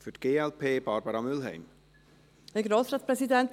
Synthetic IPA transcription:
fytɡ̥eːɛlpʰeːb̥ɑːɾbəɾɑmʏlɦɛ̰ɪm | hɛɐɡɾoːsɾaːtt͡spɾɛzidɛnt

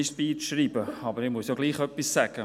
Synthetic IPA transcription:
ɪʃtb̥iːʃɾiːbəɑbəɾɪmuəsjoɡ̥liːχœpːisːæɡ̥ə

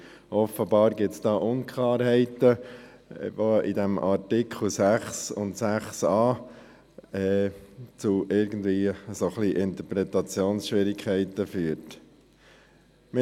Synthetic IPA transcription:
ʔɔfəbɑːɾɡɪtsd̥ɑːʔʊnkʰlɑːɾɦɛɪtə | ʋoidɛmʔɑɾtɪkʰχl̩sæχsʊntsæχsɑː | ɛt͡suʔɪɾɡən̩d̪viːsoχliʔɪnt̪əɾpɾɛt̪ɑt͡sjoːnsʃʋɪɾɪkʰːɛɪtəfyːəɾt | mɪ

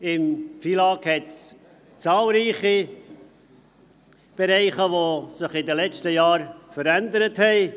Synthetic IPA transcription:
ɪmfilɑːkhɛts | t͡sɑːlɾiːχi | b̥eɾɛɪχəʋosɪχɪdəlɛt͡ʃtəjɑːɾfəɾænd̪əɾəthɛɪ

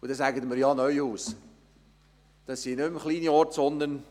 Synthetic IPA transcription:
ud̥ɛsæɡətməɾjɑnœʏhuːs | d̥ɑsːinʏmχliːniɔɾtsɔndən

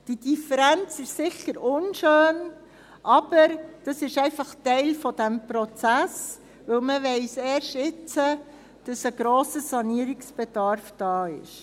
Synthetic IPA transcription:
d̥id̥ifəɾænt͡sɪʃsɪçəɾʊnʃøːn | ʔɑb̥əɾd̥ɑsɪʃɛɪfɑχtɛɪlfɔd̥æmpɾɔt͡sæs | ʋɵlməʋɛɪsɛːɾʃtɪt͡sə | d̥ɑsəɡɾoːsəsɑniəɾiksb̥ɛd̥ɑɾfd̥ɑːɪ̰ʃ

